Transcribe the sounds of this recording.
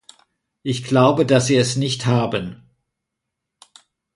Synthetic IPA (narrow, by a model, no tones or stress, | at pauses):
ʔɪçɡ̥laʊbədasz̥iːɛsnɪçthaːbən